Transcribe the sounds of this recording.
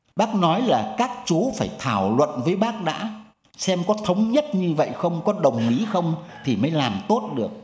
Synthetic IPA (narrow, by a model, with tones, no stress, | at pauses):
ɓaː˦˥k̚nɔ˨˦jlaː˨˩kaː˦˥k̚t͡ɕu˨˦faː˧˩jt̪ʰaː˧˩wlwə̰˧˨nvəː˨˦jɓaː˦˥k̚ɗa̰ː˧˥ | sɛ˧mkɔ˨˦t̪ʰə˨˦wŋ͡mɲə˦˥t̚ɲɨ˧və̰˧˨jxə˧wŋ͡mkɔ˨˦ɗə˨˩wŋ͡mʔi˨˦xə˧wŋ͡mt̪ʰi˨˩məː˨˦jlaː˨˩mt̪o˦˥t̚ɗɨ˨˩ək̚